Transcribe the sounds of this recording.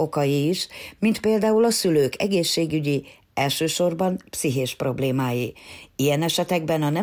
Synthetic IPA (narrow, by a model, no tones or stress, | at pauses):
o̞kɒjiːʃmint̪peːld̪aːulɒsyløːkɛ̰ɡeːʃːeːɡyɟi | ɛlʃøːʃo̞rbɒnpsiɦeːʃpro̞bleːmaːjiijɛnɛʃɛt̪ɛɡ̚bɛnɒnɛ